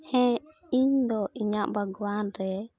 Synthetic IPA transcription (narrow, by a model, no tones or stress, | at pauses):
hɛ̃ | iɲd̪ɔʔiɲaʔbaɡuwanɾɛ